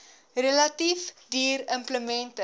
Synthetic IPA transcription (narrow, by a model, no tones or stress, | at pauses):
rəlɐtifdiːrəmpləmɛntə